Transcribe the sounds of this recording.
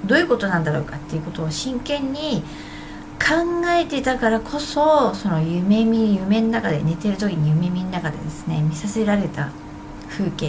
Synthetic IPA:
d̪o̞ːjɯ̟ko̞t̪o̞nãnd̪aɾo̞ːkat̪ːe̞jiɯ̟ko̞t̪o̞ːɕĩŋkẽ̞ɲ̟ːi | kʰãŋɡae̞t̪e̞t̪akaɾakʰo̞so̞so̞no̞jɯme̞mʲijɯ̟mẽ̞nonakad̪e̞ne̞t̪e̞ɾɯ̟t̪̬o̞kʲiɲ̟ijɯ̟me̞mʲinonakad̪e̞̰d̪e̞sɨ̥ne̞̰mʲisaseɾaɾe̞t̪a̰ | ɸɯ̟ːkẽ

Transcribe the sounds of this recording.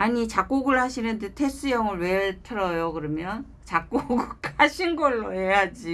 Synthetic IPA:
aɲit͡ɕak͈̚oɡɯɭhaɕʰinɯndetʰe̞s͈ɯjʌŋɯɭwe̞ɭtʰɯɾʌjokɯɾʌmjʌn | t͡ɕak̚k͈oɡɯɭkʰaɕʰinɡʌɭːoejad͡ʑi

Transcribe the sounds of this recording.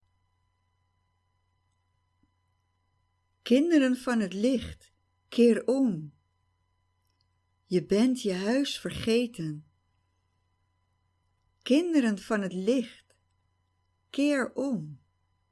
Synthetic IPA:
kɪndəɾənvɑnɦətlɪχt | kʰɪːɹɔm | jəbɛntjəɦœɥsfəɹχejtən | kɪndəɾənv̥ɑnɦətlɪχt | kɪːɹɔm

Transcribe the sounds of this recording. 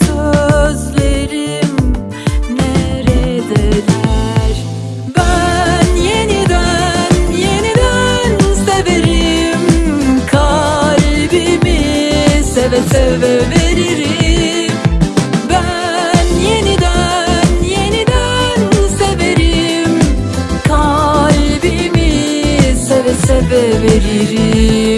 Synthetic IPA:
søzleɾim | neɾɛd̪ɛɾæɾ̥ | bænjenid̪ænjenid̪ænmuseveɾimkʰa | ɾbimisevesɛveveɾiɾi | mbæ | njenid̪æ | njenid̪æ | nseveɾi | m | kʰalbi | mi | sevesevɛveɾiɾi

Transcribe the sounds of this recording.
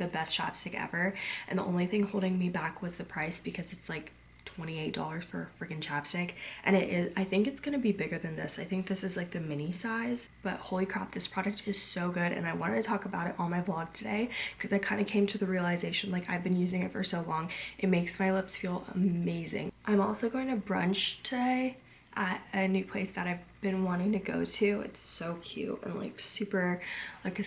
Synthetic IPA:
ðɨbɛst͡ʃʰæ̰pstɨkɛ̰və˞ʔɨ̃nðiʔõ̰ʊ̃nliθɪ̃ŋhoʊlˠdɪ̃ŋmibækʰwʌzðɨpʰɹ̥aɪsb̥ɨkʰʌzɨtslaɪk | tʰw̥ɛ̃ɾ̃ieɪt̚d̥ɔ̰lˠə˞z̥fə̰˞fə˞ɡɨ̃nt͡ʃʰæpstɪkʔɨ̃ñɪɾʔɪzaɪθɪ̃ŋkɨtsɡ̥ʌñɨbibɪɡə˞ðɨ̃nðɪsaɪθɪ̃ŋk̚ðɪsɨzlaɪk̚ðɨmɪ̃ñisaɪz̥ | b̥ʌ̰t̚hoʊlˠikʰɹ̥ɑp̚ðɪspʰɹ̥ɑɾɨk̚tʰɨz̥soʊɡʊɾɨ̰̃naɪwɑ̃ɾ̃ɨtʰɨtʰɔkəbaʊɾɨɾʔɔl̩ˠmaɪblɑɡ̚tʰɨdeɪkʰʌzaɪkʰãɪ̃ndɨkʰẽɪ̃mtʰɨðɨɹiəlˠɨzeɪʃɨ̃n̩laɪkaɪvbɨ̃njʉzɪ̃ŋɨtfə̰˞soʊlɔ̃ŋʔɨt̚meɪksmaɪlɪpsfilˠə̰meɪzɪ̰̃ŋʔãɪ̃mɔlˠsoʊɡoʊɪ̃ŋtʰɨbɹʌ̰̃nt͡ʃtʰɨdeɪ | ʔəɾɨnʉpʰl̥eɪsðɨɾaɪvb̥ɨ̃nwɑ̃ɾ̃ɪ̃ŋtʰɨɡoʊɾʉɪ̰tsoʊkʰj̥ʉ̰tɨ̰̃nla̰ɪksʉpə˞laɪkɨ

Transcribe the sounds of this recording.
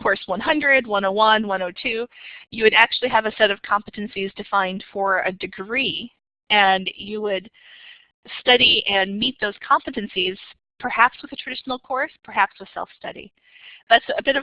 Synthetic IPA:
kʰɔɹswʌ̃nɦʌ̃ndɹɨd̚wʌ̃ñoʊwʌ̃nwʌ̃noʊtʰʉjɨwɨɾæk̚t͡ʃʉl̩ˠiɨvɨsɛɾʌv̥kʰɑ̃mpɨɾɨ̃nsizdɨfãɪ̃nd̥fə˞ɨdɨɡɹi | ɨ̃njɨwɨd̥̚ | stʌɾiʔɨ̃nmit̪̚ðoʊz̥kʰɑ̃mpɨɾɨ̃nsiz̥ | pʰə˞hæpswəðɨtʰɹ̥ɨdɪʃn̩l̩ˠkʰɔɹspʰə˞hæpswɨð̥sɛ̰lˠfstʌ̰ɾḭ | ðætsɨbɪɾʌ

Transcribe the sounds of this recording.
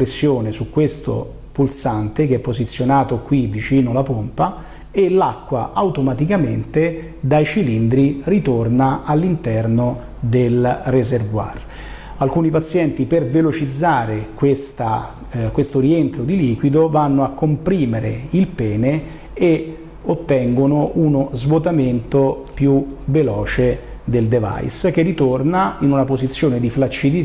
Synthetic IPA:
ɾesːjoːnesukːwest̪o̰ | pulsant̪ekeɛpːozit̪sːjonaːt̪okwivit͡ʃiːnolapompa | elakːwa̰ʔawt̪omat̪ikamḛnt̪e | d̪ajt͡ʃilind̪ɾirit̪ornaalːint̪ɛrno | d̪elrezervwa̰r | alkuːnipat̪sːjɛnt̪ipervelot͡ʃid̪zːaːɾekwest̪a | kwest̪oɾient̪ɾod̪iliːkwid̪ovanːoakːompɾiːmeɾḛilpɛːne | e | ot̪ːɛŋɡonoʔunozvot̪ament̪opjuvelɔːt͡ʃe | d̪eld̪eva̰jsk̟erːit̪ornainunapozit̪sːjoːned̪iflat͡ʃːid̪i

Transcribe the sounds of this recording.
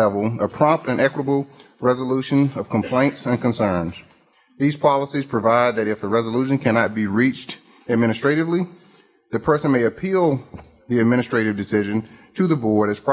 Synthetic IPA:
ɛvl̩ˠəpʰɹ̥ɑ̃mp̚tɨ̃nʔɛkwəɾəbl̩ˠ | ɹɛzəluʃɨ̃nʌv̥kʰmpʰl̥ẽɪ̃ntsɨ̃nkɨ̃nsɜ̃˞nz̥ | ðiz̥pʰɑlˠəsiz̥pʰɹ̥ɨvaɪd̪̚ðɨɾɨfðɨɹɛzəluʃɨ̃nkʰænɑt̚b̥iɹit͡ʃt | ɨd̚mɪ̃ɾ̃ɨstɹ̥eɪɾɨvli | ðɨpʰɜ˞sɨ̃nmeɪɨpʰilˠ | ðiɨd̚mɪ̃nɨstɹ̥eɪɾɨvdɨsɪʒɨ̃ntʰɨðəbɔɹɾɨz̥pʰ

